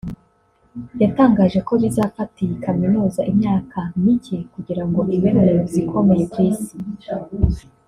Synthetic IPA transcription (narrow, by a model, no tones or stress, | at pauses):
jataːŋɡaːʒe̞ko̞βizafatʰijekʰaminuːzaʔimɲaːkʰamiɟekuɟiɾaŋɡo̞ʔimeɾneozikʰo̞me̞jekwiːsi̥